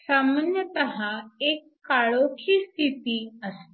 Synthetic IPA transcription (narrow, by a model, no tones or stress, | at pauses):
samənjət̪əɦãekːaɭokʰiːst̪ʰit̪iːəs